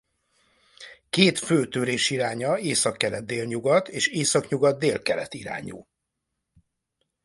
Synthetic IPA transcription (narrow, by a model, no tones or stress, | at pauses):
keːt̪føːt̪øɾeːʃiɾaːɲɒeːsɒkːɛlɛd̪̚d̪eːlɲuɡɒt̪eːʃeːsɒkɲuɡɒd̪̚d̪eːlkɛlɛt̪iɾa̰ːɲṵː